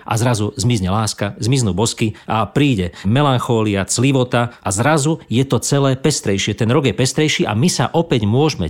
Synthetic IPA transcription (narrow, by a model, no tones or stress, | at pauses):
ʔa̰zɾazuzmizɲɛlaːskazmiznuːbɔskiʔapɾiːɟɛmɛlanxɔːliat͡sliʋɔt̪aʔazɾazujɛt̪ɔt͡sɛlɛːpɛst̪ɾɛjʃɪɛt̪ɛnɾɔɡjɛpɛst̪ɾɛjʃiːʔa̰misa̰ʔɔpɛɟmʊɔʒmɛ̰